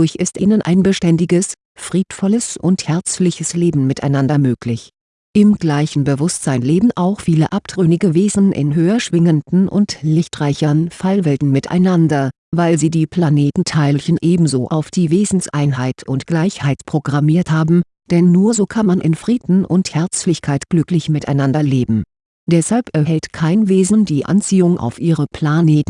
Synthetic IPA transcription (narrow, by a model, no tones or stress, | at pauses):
ʊɐçʔɪstʔiːnənʔa̰ɪnbəʃtɛndɪɡəs | fʁ̥iːtfɔləsʔʊnthɛɐt͡slɪçəsleːbm̩mɪtʰa̰ɪnandɐmøːklɪç | ʔɪmɡlaɪçn̩bəvʊstz̥aɪnleːbm̩ʔaʊxfiːləʔap̚d̥ʁ̥ønɪɡəveːzn̩ʔɪ̰nɦøːɐʃv̥ɪŋəndn̩ʔʊ̰ntlɪçtʁaɪçɐnfalvɛltn̩mɪta̰ɪnandɐ | vaɪlziːdiːpʰl̥aneːtn̩tʰaɪlçənʔeːbm̩zoːʔa̰ʊfd̥iːveːzn̩sʔaɪnɦaɪtʰʊntɡ̥laɪçhaɪtpʁ̥oɡʁamiːɐthaːbm̩ | d̥ɛnːuːɐzoːkʰanmanʔɪ̰nfʁ̥iːdn̩ʔʊ̰nthɛɐt͡slɪçkʰaɪtɡ̥lʏklɪçmɪtaɪnandɐleːbm̩ | d̥ɛshalpɛɐɦɛltkʰaɪnveːzndiːʔa̰nt͡siːʊŋʔa̰ʊfʔiːʁəpʰl̥aneːtn̩